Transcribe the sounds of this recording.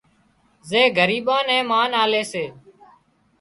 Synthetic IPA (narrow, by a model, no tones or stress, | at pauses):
zeːɡʱəɾiːɓãːnɛ̃ːmaːnaːleːseː